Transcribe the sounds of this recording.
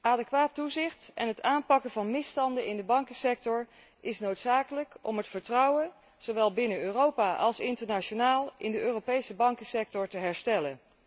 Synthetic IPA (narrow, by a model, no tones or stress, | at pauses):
aːdɛkʋaːtːuzɪχtɛnɦətaːnpɑkəvɑnmɪstɑndəɪndəbɑŋkəsɛk̚tɔɹ | ʔɪsnowtsaːkələkɔ̰mɦətfəɹtrʌwə | z̥owʋɛlˠbɪnəøːrowpaːʔɑlˠsɪntəɹnat͡ʃonaːlˠɪndəʔøːrowpejsəbɑŋkəsɛk̚tɔɹtəɦɛɹstɛlən